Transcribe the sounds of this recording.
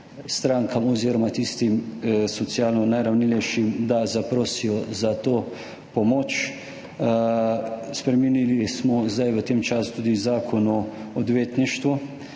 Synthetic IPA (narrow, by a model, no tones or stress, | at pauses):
st̪ɾaːŋkamɔziːɾɔmat̪ist̪imsɔt̪sijaːlnɔnajɾawnilɛjʃimd̪azapɾoːsijɔzat̪oː | pɔmoːt͡ʃ | spɾɛminilismɔzd̪ajʋət̪eːmt͡ʃasu̥t̪uːd̪izaːkʰɔnɔɔd̪ʋeːt̪niʃt̪ʋu